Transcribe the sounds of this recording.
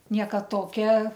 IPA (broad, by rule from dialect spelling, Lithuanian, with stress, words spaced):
ˈnʲiɛkɐ ˈtoːkʲɛ